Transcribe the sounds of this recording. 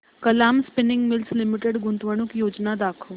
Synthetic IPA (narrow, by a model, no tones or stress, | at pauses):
kəlamspinɪŋɡmilslimiʈeɽɡunt̪ʋəɽ̃ukjod͡ʑnad̪akʰəʋ